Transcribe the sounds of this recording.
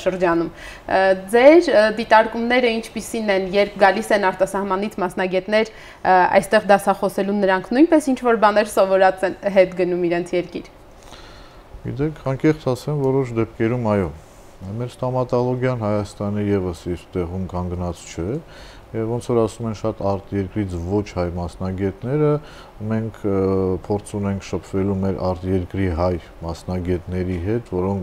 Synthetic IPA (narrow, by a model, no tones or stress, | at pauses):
ʃəɾd͡ʒɑnum | d͡zɛɾd̪it̪ɑɾkumnɛɾəint͡ʃʰpisinɛnjɛɾpʰɡɑlisɛnɑɾt̪ɑsɑhmɑnit͡sʰmɑsnɑɡɛt̪nɛɾ | ɑ̰jst̪ɛʁd̪ɑsɑχɔsɛlunəɾɑŋkʰnujnpɛsint͡ʃʰvɔɾbɑnɛɾsɔvɔɾɑt͡sɛnɦɛt̪ɡənumiɾɛnt͡sʰjɛɾkḭɾ | ɡḭt̪ɛkʰɑŋkɛχt͡sʰɑsɛmvɔɾɔʃd̪ɛp̚kɛɾumɑjɔ | mɛɾst̪ɔmɑt̪ɑlɔɡjɑnhɑjɑst̪ɑnijɛvəsiɾt̪ɛʁumkɑŋɡnɑt͡st͡ʃʰɛ | jɛvɔnt͡sʰɔɾɑsumɛnʃɑt̪ɑɾt̪jɛɾkɾit͡sʰvɔt͡ʃʰhɑjmɑsnɑɡɛt̪nɛɾə | mɛŋkʰpʰɔɾt͡sʰunɛŋkʰʃəpʰvɛlumɛɾʔɑɾt̪jɛɾkɾiɦɑj | mɑsnɑɡɛt̪nɛɾiɦɛt̪vɔɾɔŋk